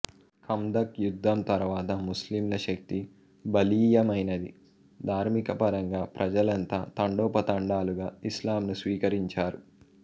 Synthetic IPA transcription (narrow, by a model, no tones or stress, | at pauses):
kʰɐmd̪ɐkjud̪ʱːɐmt̪ɐɾʋaːt̪ɐmuslimlɐʃɐk̚t̪i | bɐliːjɐmɐjnɐd̪ḭ | d̪ʱaːɾmikɐpɐɾɐŋɡaːpɾʔɐd͡ʒɐlɐnt̪aːt̪ɐɳɖoːpɐt̪ɐɳɖaːluɡaːislaːmnusʋiːkɐɾiɲt͡ʃaːɾu